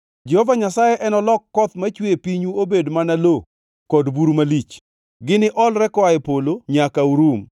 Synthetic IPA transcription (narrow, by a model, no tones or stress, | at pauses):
d͡ʒɛhɔvaɲasajeʔɛnɔlɔkːɔt̪mat͡ʃwepiɲuobedmanalo | kɔdbuɾumalit͡ʃ | ɡɪnɪʔɔlɾɛkɔaepoloɲakauɾum